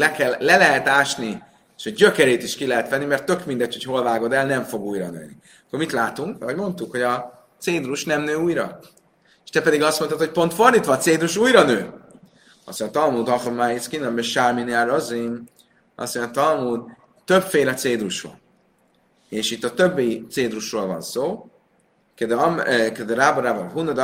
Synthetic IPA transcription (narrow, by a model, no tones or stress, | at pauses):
lɛkɛlːɛlɛɦɛt̪aːʃni | eʃoɟɟøkɛɾeːt̪iʃkilɛɦɛt̪ʋɛnːimɛrt̪ːø̞kmind̪ɛtho̞cho̞lvaːɡo̞d̪ɛlnɛɱfo̞ɡuːjɾɒ̰nø̰ːni | ɒkːormit̪laːt̪uŋkoɟmo̞nt̪ukho̞ɟɒ | t̪seːd̪ɾuʃnɛmnøːuːjɾɒ̰ | eʃt̪ɛpɛd̪iɡɒst̪moɔt̪ho̞c̚po̞nt̪fo̞rd̪it̪ʋɒt̪seːd̪ɾuʃuːjɾɒnøː | ɒ̰soɲt̪ɒlmuːd̪ɒχomajiskinɒmɛʃaminiaɾoziŋ | ɒ̰soɲt̪ɒlmuːd̪ | t̪øpfeːlɒt̪seːd̪ɾuʃvɒ̰n | eːʃit̪ːɒt̪øbːiit̪seːd̪ruʃroːlvɒ̰nsoː | ked̪kɛd̪ɛɾaːboɾaboɦunːod̪